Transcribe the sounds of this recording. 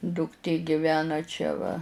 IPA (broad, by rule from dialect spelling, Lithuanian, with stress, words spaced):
dʊkˈtʲeː ɡʲɪˈʋʲæːnɐ ˈt͡ʃʲɛ ʋɐ